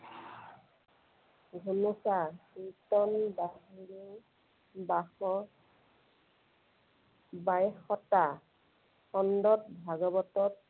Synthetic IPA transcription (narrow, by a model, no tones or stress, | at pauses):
ɡʱunusasitɔnbaɦini | baxɔ | bajxɔta | xɔndɔt̚bʱaɡɔbɔtɔt̚